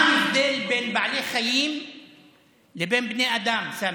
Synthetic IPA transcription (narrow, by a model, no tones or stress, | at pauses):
mɪfd̪eːlbeːnbaʕleːxajiːm | lɪbeːnbneːʔad̪amsam